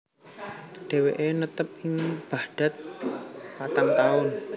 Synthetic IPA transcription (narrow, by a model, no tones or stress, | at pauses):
ɖ̥e̤weʔenət̪əp̚ɪŋb̥a̤hd̥ä̤t̪̚pat̪aŋt̪aʊn